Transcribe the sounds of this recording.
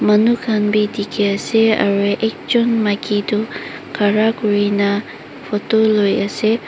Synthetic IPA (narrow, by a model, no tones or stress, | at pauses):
mɐnukʰanbid̪ikeɐseɐ̰ɾeʔek̚t͡ʃunmakid̪ukʰaɾakuɹinɐ | pʰotolojɐse